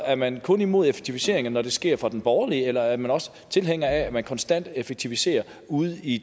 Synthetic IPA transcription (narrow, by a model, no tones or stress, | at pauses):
æɐmænkʰɔ̽nimo̝ð̰ˠefe̥ɡ̥̚t͡sʰiʋise̝ɐe̝ŋɐnːɒd̥e̝sɡ̥e̝ɐ̰fʁɑ̈d̥enb̥ɒːɐliəelɐæɐmænɒ̽sə̥ | t͡sʰe̝lɦeŋ̰ɐææmænkʰɒ̽nsd̥æn̰d̥efeɡ̥̚t͡sʰiʋise̝̰ːɐ | uð̞̩ˠi